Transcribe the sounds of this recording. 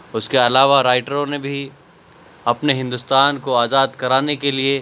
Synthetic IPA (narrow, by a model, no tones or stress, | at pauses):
ʊskeɐlaːʋaɾaːɪʈəɾõnebʱi | ɐpneɦɪ̃nd̪ʊst̪aːnkoaːzaːd̪kɐɾaːnekelie